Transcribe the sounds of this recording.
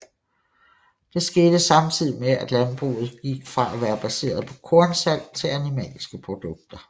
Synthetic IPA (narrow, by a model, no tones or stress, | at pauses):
d̥e̝sɡ̥e̝ːd̥əsɑ̈mt͡sʰið̰ˠimeæd̥lænb̥ʁṵːð̞̩ˠɡ̥iɡ̥fʁɑ̈ʔæʋæːɐb̥æse̝̰ːɐðˠpʰɒ̽kʰɔ̝ɐnsæl̰̥t͡sʰe̝lænimɛ̰ːlsɡ̥əpʰʁo̝d̥ɔ̽ɡ̥̚d̥ɐ